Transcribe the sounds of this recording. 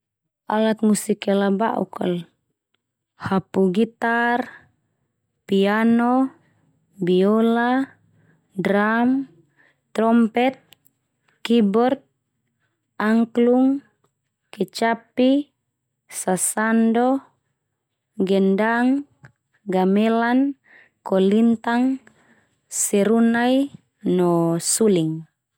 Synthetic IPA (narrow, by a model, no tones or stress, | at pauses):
a̰lat̪̚musikɛlaba̰ʔṵkɔ̰l | hapuɡit̪ar | pianɔ | biɔla | dɾamː | ɾɔmpɛt̪̚ | kibɔrt̪̚ | aŋkluŋ | kɛt͡ʃapi | sasandɔ | ɡɛndaŋ | ɡamɛlan | kɔlint̪aŋ | sɛɾunai | nɔsuliŋ